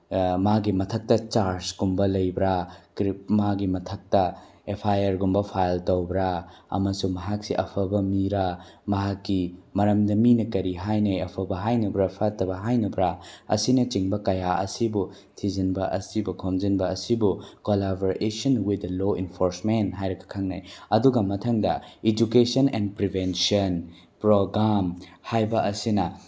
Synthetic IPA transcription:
maɡimɐtʰɐk̚tɐt͡ʃaɾsɡumbɐlɐjbɾakɾip̚maɡimɐtʰɐk̚tɐ | epʰajɐɾɡumbɐpʰajltowbɾaɐ̰mɐsumɐɦak̚siʔɐ̰pʰɐbɐmiɾamɐɦakːimɐɾɐmdɐminɐkɐɾiɦajnɐɐpʰɐbɐɦajnɐbɾɐpʰatɐbɐɦajnɐbɾaɐ̰sinɐt͡ʃiŋbɐkɐjaɐ̰sibu | tʰizɐnbɐʔɐ̰sibukʰomzɐnbɐːsibukolaboɾesɐnwidɐloinpʰoɾsmentɦajɾɐɡɐ̥kʰaŋna̰jɐduɡɐmɐtʰɐŋdɐid͡ʒukesɐnendpɾibʱensiɐn | pɾoɡɾamhajbɐʔɐsinɐ

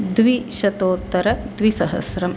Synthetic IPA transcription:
d̪ʋiʃɐt̪oːt̪ːɐɾɐd̪ʋisɐɦɐ̰sɾɐm

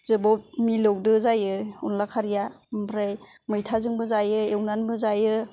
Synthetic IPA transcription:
zɯbɔp̚milɔwdɯzajɯunlakʰaɾijambɾajmɯjtʰazɯŋbɯzajɯewnanbɯzajɯ

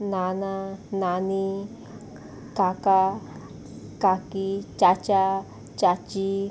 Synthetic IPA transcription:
nãnãnãnĩ | kaka | kakit͡ʃat͡ʃa | t͡ʃat͡ʃi

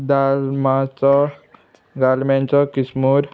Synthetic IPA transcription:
d̪almat͡sɔ | ɡ̪almãnt͡sɔkismuɾ

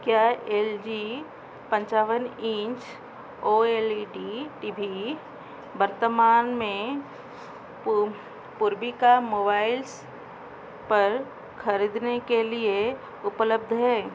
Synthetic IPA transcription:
kjaːeːld͡ʒi | pɐ̃ɲt͡ʃaːʋənĩt͡ʃ | oːeːliɖiʈiːbʱi | bəɾt̪əmaːnmẽ | pʊɾbikamoːbaːɪls | pɐɾ | kʰɐɾid̪nekelie | ʊpləb̚d̪ʱɦɛː

